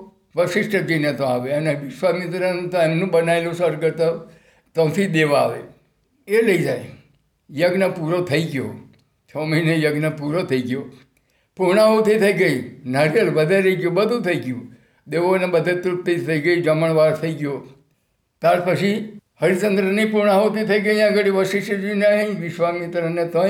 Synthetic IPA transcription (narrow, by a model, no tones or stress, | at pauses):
pəʃɪsʈəd͡ʒəinət̪õaʋeəneʋɪʃʋamɪt̪ɾanũt̪õemnũbənaelusəɾkəɾt̪a | t̪õt̪ʰid̪eʋaaʋe | eləid͡ʒaj | jəɡnəpuɾot̪ʰəiɡjo̰ | t͡ʃʰɔməinejəɡnəpuɾot̪ʰəiɡjo | puɾɳaɦot̪ʰit̪ʰəiɡəinəɾjəlʋəd̪ʱeɾəɡjobəd̪ʱũt̪ʰəiɡjũ | d̪eʋonebəd̪ʱet̪ɾup̚t̪it̪ʰəiɡəid͡ʒəməɳ̃ʋaɾt̪ʰəiɡjo | t̪aɾpət͡ʃʰihəɾisənd̪ɾəniipuɾɳaɦot̪ʰit̪ʰəiɡəjãɡəɽiʋəʃiʃəd͡ʒuinəɦʋɪʃʋamit̪ɾənet̪o